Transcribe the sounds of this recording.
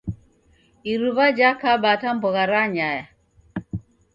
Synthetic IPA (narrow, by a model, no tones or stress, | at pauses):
iɾuβad͡ʒakabatambɔɣaɾaɲaja